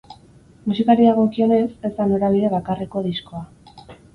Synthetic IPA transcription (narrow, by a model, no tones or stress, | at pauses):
musikaɾiaɣo̞kio̞ne̞se̞zd̪ano̞ɾaβ̞iðe̞βakareko̞ðisko̞a